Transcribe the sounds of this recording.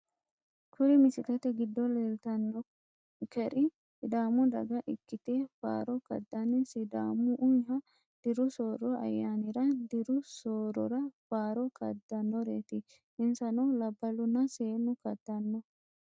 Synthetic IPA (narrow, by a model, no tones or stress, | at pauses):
kʰʊɾɪmɪsɪlɛt̪ɛɡɪd̪ːɔlelt̪ɐnːɔ | kɛɾɪ | sɪd̪aːmʊd̪ɐ̰ɡɐʔɪkːɪt̪eːfa̰ːɾɔkɐ̰d̪ːɐnɪsɪd̪a̰ːmʊʔʊjɦɐ | d̪̥ɪɾʊsoːɾɔɐ̰jːaːnɪɾɐd̪ɪɾʊsoːɾɔ̰ɾɐfaːɾɔkɐ̰d̪ːɐnːɔɾḛːt̪ɪ | ɪnsɐnɐwlɐbːɐlʊnɐseːnʊkɐd̪̥ːɐnːɔ